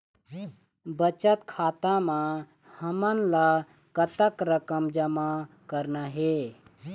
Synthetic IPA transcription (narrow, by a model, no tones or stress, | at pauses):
bət͡ʃət̪kʰaːt̪ãmã | həmənla | kət̪əkɾəkəmd͡ʒəma | kəɾnaɦe